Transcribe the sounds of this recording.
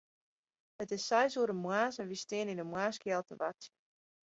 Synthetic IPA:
ətɪsːɛjsuədəmwaːsənʋistɪəninəmwaːskjɛlˠtə̰ʋat

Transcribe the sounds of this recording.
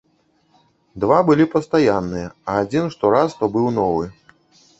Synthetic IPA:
d̪vabɨlʲipɐst̪ajanːɨjɐɐːd͡zʲinʂt̪ɔɾast̪ɔbɨwnɔvɨ

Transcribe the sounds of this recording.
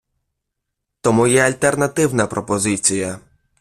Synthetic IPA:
t̪ɔmujɛɐlʲt̪ernɐt̪ɪwnɐpɾɔpɔzɪt͡sʲijɐ

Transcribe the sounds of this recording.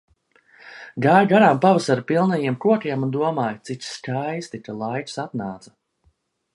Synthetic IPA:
ɡaːjɡaɾaːmpavasaɾpilˠnɛjiɛmkuɔkʲiɛmund̪uɔmaːjt̪sit͡ʃskajst̪ikalˠajksat̪naːt̪sa

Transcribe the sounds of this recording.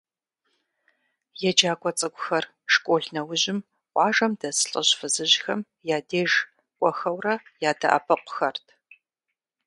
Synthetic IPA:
jɛd͡ʒaːkʷʼɔt͡sʼɨkʷʼʊxɐr | ʂkʷʼoːɮnɐwʊʑɪm | qʷɑːʒɐmdɐsɨɬʼɨɕfɨzɨʑxɐm | jaːdeːʒ | kʷʼɔxɐwrɐjaːdɐ̰ʔɐ̰pʰɐqʷʊ̥xɐrtʰ

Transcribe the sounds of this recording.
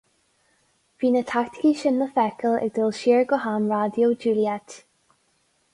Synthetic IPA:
v̥iːnətʰakt̪ɪ̥kiʃɪnləfɛkəlɛ̰ɡ̚d̪ɪlˠʃiːɹɡəɦanɹad̪jowd͡ʒuːliɛt̪

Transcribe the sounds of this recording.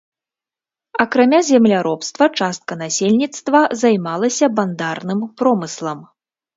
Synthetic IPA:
ɐkɾamʲazʲɛmlʲaɾɔpst̪vɐt͡ʂast̪̚kɐnasʲelʲnʲit̪st̪vɐzajmalˠɐsʲɐband̪arnɨmpɾɔmɨslˠɐm

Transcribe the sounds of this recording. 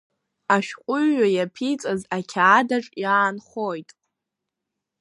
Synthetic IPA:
aʃᶣqʷʼʊɥːajapʰit͡sʼazakʲʰaːdaʈ͡ʂʼjaːnχojtʼ

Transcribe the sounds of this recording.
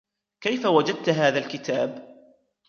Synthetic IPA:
kajfawad͡ʒad̪̚t̪ɦaːðalkɪt̪aːb

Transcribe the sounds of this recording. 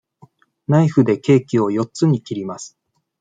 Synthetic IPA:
naiɸɯ̟d̪e̞ke̞ːkʲio̞jo̞t͡sɨɲ̟ikʲiɾʲimasɨ̥

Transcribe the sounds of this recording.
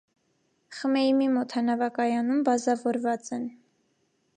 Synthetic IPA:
χəmɛjimimɔt̪ʰhɑnɑvɑkɑjɑnumbɑzɑvɔɾvɑt͡sɛn

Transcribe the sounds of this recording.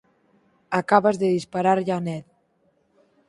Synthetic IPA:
akaβazðeðispaɾaɾʎanɛt̪

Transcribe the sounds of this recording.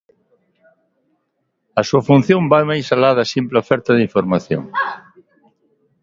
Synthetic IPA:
ɐsuɐfun̟θjõmbajmajsalaðɐsimplofɛɾt̪ɐðiɱfoɾmaθjo̰ŋ

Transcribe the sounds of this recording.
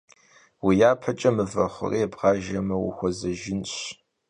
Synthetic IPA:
wijaːpʰɐt͡ʃʼɐmɨvɐχʷʊ̰reːbʁɑːʒɐmɐwḭxʷɔzɐʒɪnɕ

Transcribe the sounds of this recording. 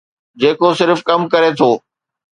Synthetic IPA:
d͡ʑeːkosɪɾfkɐmkɐɾet̪ʰoː

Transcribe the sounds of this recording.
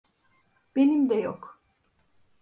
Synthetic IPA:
b̥enimd̪ɛjok

